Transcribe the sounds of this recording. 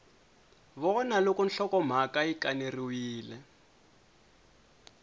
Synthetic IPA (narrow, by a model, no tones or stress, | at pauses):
βɔnalokɔnɬɔkɔm̤akaikaniriwiːlɛ